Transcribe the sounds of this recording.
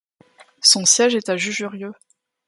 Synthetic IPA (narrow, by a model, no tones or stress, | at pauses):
sɔ̃sjɛʒɛt̪aʒyʒyʁjø